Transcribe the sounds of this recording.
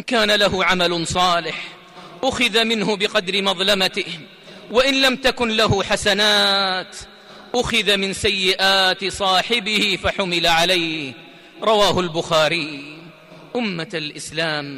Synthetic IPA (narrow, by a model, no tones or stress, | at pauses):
ʔʔɪnkaːnalaɦʊʕamalʊsˤɑːlɪħ | ʔʊxɪðamɪnhʊbɪqɑd̪ɾɪmɑðˤlamat̪ɪh | waʔɪnlamt̪akʊnlaɦʊħasanaːt̪ | ʔʊxɪðamɪnsajːɪʔaːt̪sˤɑːħɪbɪhɪfaħʊmɪlaʕalajh | ɾˤɑwaːhʊlbʊxaːɾiː | ʔʊmːaalʔɪslaːm